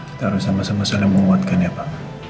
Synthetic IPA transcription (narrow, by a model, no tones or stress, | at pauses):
kit̪aaɾusamasamasalaməŋumat̪̚kaniapa